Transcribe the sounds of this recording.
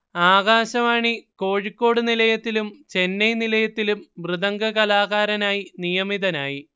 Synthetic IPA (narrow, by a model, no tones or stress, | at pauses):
aːɣaːɕɐmaːɳiko̞ːɻikːo̞ːɽunilɐjɐt̪ːilumt͡ɕe̞nːɐjnilɐjɐt̪ːilumʋrɨðɐŋɡɐɣɐlaːɣaːɾɐnaːjinijɐmiðɐnaːji